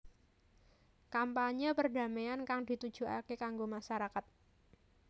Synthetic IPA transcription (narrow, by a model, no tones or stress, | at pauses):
kampaɲəpərda̤mejankaŋdi̤t̪ud̥d͡ʒʒ̥ṳa̰kekaŋɡomaʃaɾakat̪̚